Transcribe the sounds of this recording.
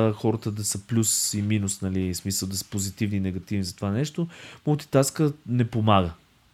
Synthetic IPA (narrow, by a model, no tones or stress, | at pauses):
xɔɾət̪əd̪ɐsəplʲusiminusnɐlismisəlˠd̪ɐsə̥pozit̪ivniːnɛɡɐt̪ivnizɐt̪ovanɛʃt̪omolˠt̪i̥t̪askənɛpomaɡə